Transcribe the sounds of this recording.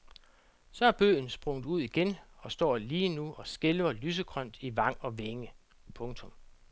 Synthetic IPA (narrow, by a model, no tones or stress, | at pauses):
sɒ̽æɐb̥ø̰ːn̩sb̥ʁɔ̽ŋ̰d̥uð̞̰ˠiɡ̥enɒ̽sd̥ɒ̰ːliːnuɒ̽sɡ̥elʋɐlyːs̬əɡ̥ʰʁœn̰d̥iʋɑ̈ŋ̰ɒ̽ʋeŋə | pʰɔ̽ŋt͡sʰɔ̽m